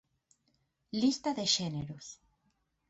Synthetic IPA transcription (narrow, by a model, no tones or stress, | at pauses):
list̪aðeʃeneɾos